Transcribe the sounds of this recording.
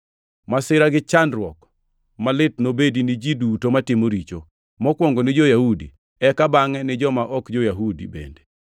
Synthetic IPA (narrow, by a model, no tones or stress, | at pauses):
masɪɾaɡɪt͡ʃandɾwɔk | malɪtnobedinɪd͡ʒidutomatɪmoɾit͡ʃo | mɔkwɔŋɡonɪd͡ʒojahudḭ | ɛkabaŋɛnɪd͡ʒɔmaʔɔkd͡ʒojaɦudḭbḛnde